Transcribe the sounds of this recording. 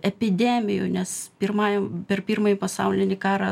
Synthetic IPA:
ɛpʲɪd̪ʲæːmʲɪjʊːnʲɛspʲɪrmɑːjopʲɛrpʲiːrmɐjipɐsɐ̰ʊlʲɪnʲɪkɑːɾɑ

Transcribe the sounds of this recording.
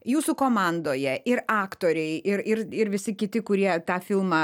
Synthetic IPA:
juːsʊkoːmɑnd̪oːjɛʔɪɾɑːkt̪oːɾʲɛɪɪɾɪɾɪɾʋʲɪsʲɪkʲɪt̪ʲɪkʊɾʲiɛt̪ɑːfʲɪlˠmɐ

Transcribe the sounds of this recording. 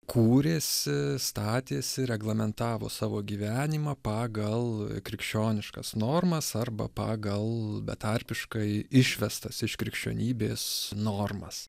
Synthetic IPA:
kʰuːɾʲeːsʲɪst̪ɑːt̪ʲeːsʲɪɾʲɛɡlˠɐmʲɛnt̪ɑːʋo̰ːsɑːʋoːɡʲiːʋʲæːnʲɪmɑpɑːɡɐlˠkɾʲɪkʃʲt͡ʃʲoːnʲɪʃkɐsnoːrmɐsɐrbɐ̰pɑːɡɐlˠbʲɛ̰t̪ɐɾʲpʲɪʃkɐɪɪʃʲʋʲɛst̪ɐsɪʃkɾʲɪkʃʲt͡ʃʲo̰ːnʲiːbʲeːsnoːrmɐ̰s

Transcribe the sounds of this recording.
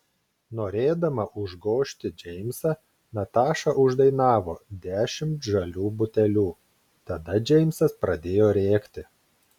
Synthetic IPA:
noːɾʲeːd̪ɐmɐʔʊʒɡoːʃʲt̪ʲɪd͡ʒʲɛɪmʲsɐ | nɐt̪ɑːʃɐʔʊʒd̪ɐɪnɑːʋoːd̪ʲæːʃʲɪmt̪ʒɐlʲuːbʊt̪ʲɛlʲuː | t̪ɐd̪ɐd͡ʒʲɛɪmʲsɐspɾɐd̪ʲeːjoːɾʲeːkt̪ʲɪ

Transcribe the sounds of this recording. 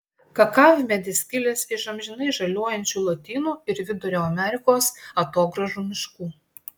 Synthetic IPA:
kɐkɑːʋʲmʲɛd̪ʲɪsʲkʲɪlʲeːsɪʃɐmʲʒʲɪnɐɪʒɐlʲoɔjɛnʲt͡ʃʲuːlˠot̪ʲiːnuːɪɾʋʲɪd̪ʊɾʲoːɐmʲɛɾʲɪkoːsɐt̪oːɡɾɐʒuːmʲɪʃkuː

